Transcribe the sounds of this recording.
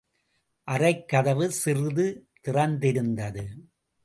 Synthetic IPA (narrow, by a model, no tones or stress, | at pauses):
ʔɐɾɐɪkːɐðɐʋɯsɪrɯðɯt̪ɪrɐnd̪ɪɾɯnd̪ɐðɯ